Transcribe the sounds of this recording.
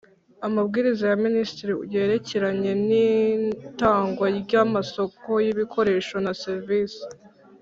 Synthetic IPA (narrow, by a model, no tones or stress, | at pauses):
amabɡiːɾizajaministiɾiṵɟeːɾe̞ceɾaɲe̞ni | taːŋɡwaɟamaso̞ko̞jiβikʰo̞ɾe̞ʃo̞naseɾviːsi̥